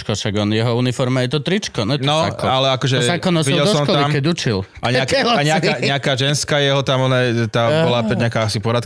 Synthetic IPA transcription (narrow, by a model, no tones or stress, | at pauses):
kɔʃaɡɔnjɛɦɔunifɔɾmajɛt̪ɔt̪ɾit͡ʃkɔnɛnɔaɔalɛakɔʒɛzakɔnɔsʋiɛɟɛldɔsɔʃmkɔt̪alimkɛɟut͡ʃil | aɲakɛaɲɛakaɲɛakaːʒɛnskaːjɛɦɔt̪amɔnaɛt̪abɔlapɛɲakaːasipɔɾat̪